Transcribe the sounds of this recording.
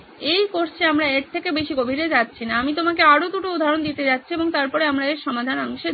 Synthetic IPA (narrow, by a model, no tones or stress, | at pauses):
ejkoɾt͡ɕʰeamɾaeʈ̚t̪ʰekebeʃiɡobʱiɾed͡ʑatːɕʰinaamit̪omakeaɾot̪uʈoud̪ʱaɾond̪it̪ed͡ʑatːɕʰieboŋt̪aɾpɔɾeamɾaeɾʃɔmad̪ʱanaŋʃe